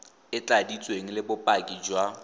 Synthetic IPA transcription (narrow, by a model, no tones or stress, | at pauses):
ɪt͡ɬʼadit͡sʼweŋ̩lɪbʊpʼakʼid͡ʒwa